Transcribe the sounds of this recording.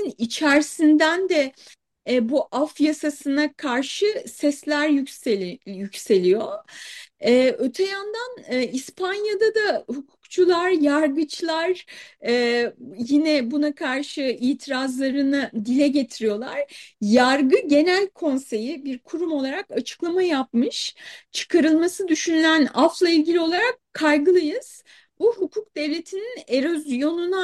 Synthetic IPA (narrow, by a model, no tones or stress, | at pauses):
nit͡ʃʰæɾsind̪ænd̪ɛ | buʔafjasasɯnakʰaɾʃɯsɛslʲæɾj | jycse̞lʲijo | ɛːø̞t̪ʰejand̪anːispʰanjad̪ad̪ahukʰu̥kt͡ʃʰulˠaɾjaɾɡɯt͡ʃʰlˠaɾɛjinɛbunakʰaɾʃɯiːt̪ʰiɾazlˠaɾɯnɯd̪ilʲɛɟe̞t̪ʰiɾijo̞lˠaɾ̥jaɾɡɯɟe̞nælʲkʰo̞nse̞jibiɾkʰuɾumo̞lˠaɾakat͡ʃʰɯ̥klˠamajap̚mɯʃt͡ʃʰɯ̥kʰaɾɯlˠmasɯd̪yʃynylʲænaflˠailʲɟilʲio̞lˠaɾakʰːajɡɯlˠajɯz̥ | buhukʰuk̚d̪e̞vlʲe̞t̪ʰinine̞ɾozjo̞nuna